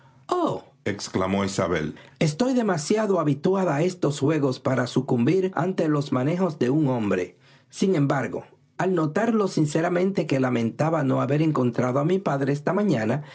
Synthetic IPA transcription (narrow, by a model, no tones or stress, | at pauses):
o | eksklamo̞isa̰βḛle̞st̪o̞jðe̞masjaðoaβit̪waðae̞st̪o̞sxwe̞ɣo̞spaɾasukumbiɾa̰nt̪e̞lo̞smane̞xo̞zd̪e̞uŋõ̞mbɾḛ | siŋẽ̞mbaɾɣo̞̰ | alno̞t̪aɾlo̞sinseɾamẽ̞nt̪e̞ke̞lamẽ̞nt̪aβano̞aβe̞ɾeŋko̞nt̪ɾaðoamipaðɾeest̪amãɲãna